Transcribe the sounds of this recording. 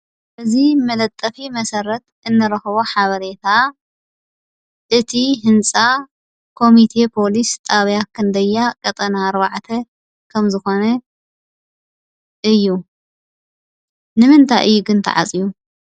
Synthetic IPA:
bɨzimɐlɐt̪ʼːɐfimɐsɐɾɐt̪ʔɨnːɐɾɐxɨβoħaβɐɾe̞t̪ʰa | ʔɨt̪ʰiɦɨnt͡sʼa | kʰo̞mit̪ʰe̞pʰo̞list̪ʼaβjakʰːɨnd̪ɐjːakʼɐt̪ʼɐnaːɾβaʕt̪ʰɐ | kʰɐmzɨxo̞nɐ | ʔɨjːu | nɨmɨnt̪ʰajʔɨjːuɡɨnt̪ʰɐ̰ʕa̰t͡sʼiju

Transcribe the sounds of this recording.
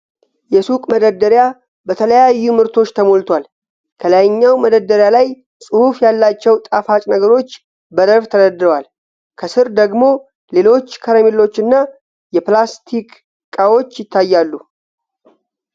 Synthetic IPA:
jɛsukʼməd̪əd̪əɾja | bət̪ʰələjajːumɨɾt̪ʰo̞t͡ʃːt̪ʰəmolt̪ʰwal | kʰələjɲːawməd̪əd̪əɾjalaj | sʼɨhufjalːat͡ʃːɛwt̪ʼafat͡ʃʼnəɡəɾo̞t͡ʃː | bəd̪əɾft̪ʰədəd̪ɾəwal | kʰəsɨɾd̪əɡmo̞ | le̞lo̞t͡ʃːkʰəɾəmilːo̞t͡ʃːɨnːa | jɛplast̪ʰikʼ | kʼːawo̞t͡ʃːjɪt̪ːajːalːu

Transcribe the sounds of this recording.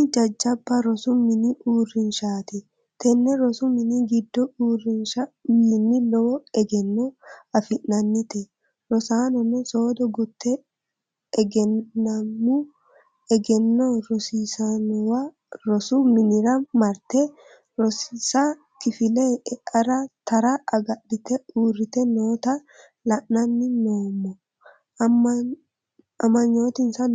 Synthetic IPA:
d͡ʒɐd͡ʒːɐbːɐɾɔsʊmɪnɪʔuːrːɪnʃaːt̪ɛ | t̪ɛnːɛɾɔsʊmɪnɪɡɪd̪ːɔuːrːɪnʃɐmɪnːɪlɔwɔɛɡɛnːɔɐfɪʔːɐnːɪt̪ɛ | ɾɔsaːnɔnɛsoːd̪ɔɡʊt̪ːɛ | ɛɡɛnːɐmːu | ɛɡɛnːɔɾɔsiːsɐnɔwɐ | ɾɔsumɪnɪɾɐmɐɾt̪ɛ | ɾɔssɐ | kɪfɪleɛɐɾɐt̪ɐɾɐʔɐɡɐɗːɪt̪ɛuːrːɪt̪ɛnoːt̪ɐ | lɐʔnɐnːɪnoːmːɔ | ɐmɐɲːo̞ːt̪ɪnsɐn

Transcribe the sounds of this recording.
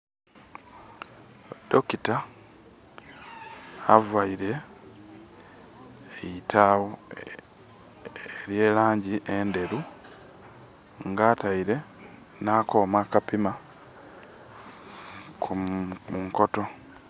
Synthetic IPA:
dokita | vaiɾe̞ | jitʰawo | eɾje̞ːlaːɲɟiʔende̞ɾu | ŋɡaːtaiɾe̞ | naːko̞ːmakapima | kʰumuŋkoto̞

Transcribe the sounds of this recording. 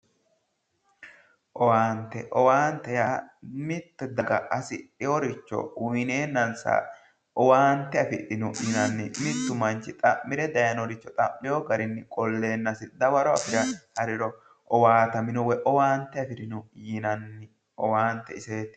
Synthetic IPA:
ʔɔwaːnt̪ːɛʔɔwaːnt̪ːɛjaːmɪt̪ːɛd̪ɐɡɐ̰ʔɐsɪᶑɪwɔɾɪt͡ʃːɔ̰ʊɪne̞ːnːɐnsa̰ | ʔɔwaːnt̪ːɛɐfɪʔɪnʊjɪnɐnːɪmɪt̪ːʊmɐnt͡ʃːɪt̪ʼɐʔːɪɾɛd̪ɐjɐnɔɾɪt͡ʃːɔt̪ʼɐʔːɪjoɡɐɾɪnːɪkʼɔlːe̞ːnːɐsɪd̪ɐbɐɾɔɐ̰fɪɾɐhɐɾɪɾɔ | ʔɔwaːt̪ɐmɪnɔwɛʔɔwaːnt̪ːɛɐfɪɾɪnʊjɪnɐnːɪ | ɔwaːnt̪ːɛɪseːt̪ɪ̥

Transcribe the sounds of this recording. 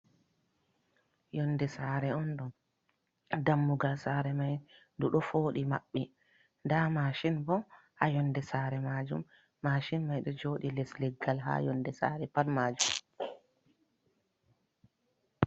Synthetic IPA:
jɔndɛsaːɾɛɔnɗɔn | damːuɡalsaːɾɛmajnduɗɔfoːɗima̰ɓːi | ndamaːʃinbɔ | ʔajɔndɛsaːɾɛmaːd͡ʒṵmː | aːʃinmajɗɔd͡ʒoːɗilɛslɛɡːalɦa̰jɔndɛsa̰ːɾɛpalmaːd͡ʒum

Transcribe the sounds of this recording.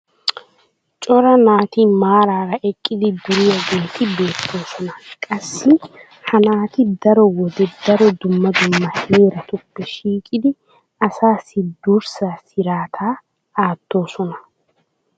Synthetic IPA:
t͡ʃʼɔɾɐnaːt̪imaːɾaːɾɐʔɛkʼːɪd̪ɪd̪ʊɾɪjɐɡeːt̪ɪbe̞ːt̪ʰːo̞ːsɔnɐkʼɐsːɪ | hɐnaːt̪ɪd̪ɐɾɔwɔd̪ɛd̪ɐɾɔd̪ʊmːɐd̪ʊmːɐheːɾɐt̪ʊpːɛʃiːkʼɪd̪ɪ | ɐsaːsɪd̪ʊɾsaːsɪɾaːt̪ʰaː | aːt̪ːo̞ːsɔnɐ

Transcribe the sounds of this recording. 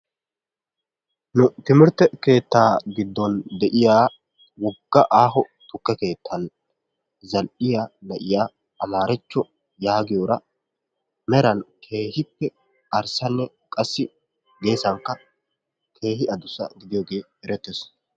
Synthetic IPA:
nʊt̪ɪmɪɾt̪ːɛke̞ːt̪ːaːɡɪd̪ːɔnd̪ɛʔɪjaː | wɔɡːɐʔaːɦɔ | t̪ʊkːɛke̞ːt̪ʰːɐn | zɐlʔɪjaːnɐʔɪjaː | ɐmaːɾɛt͡ʃːɔ | jaːɡɪjoːɾɐ | mɛɾɐnkʰe̞ːhɪpːɛ | ɐɾsɐnːɛ | kʼɐsːɪ | ɡe̞ːsɐŋkːɐ | kʰe̞ːhɪɐd̪ʊsːɐ̰ɡɪd̪ɪjoːɡe̞ː | ɛɾɛt̪ːes

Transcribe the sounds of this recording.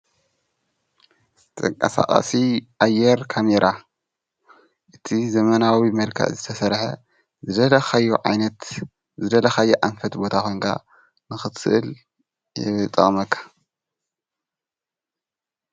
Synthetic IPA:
t̪ʼɐŋkʼɐsa̰kʼa̰siʔajːɛɾkʰameɾʔa | ʔɨt̪ʰizɐmɐnawimɐlkʰɐ̰ʔzɨt̪ʰɐsɐɾħḛ | zɨd̪ɐlɐxajːuʕa̰jnɐt̪ | zɨd̪ɐlɐxajːɛʔanfɐt̪bo̞t̪ʰaxʰojŋkʰa̰ | nɨxɨt̪ɨʔɨl | jɪt̪ʼːɐ̰χʼmɐkʰːḁ

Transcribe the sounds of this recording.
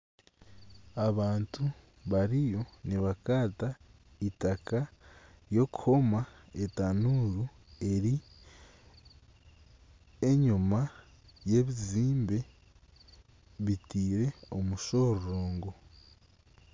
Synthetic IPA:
aβaːntu | βaɾijo̞niβakaːtaitakajo̞kuho̞maetanuɾu | e̞ɾi | eɲuma | je̞βiziːmbe̞ | βitiːɾe̞o̞muʃo̞ɾɾoːŋɡo̞

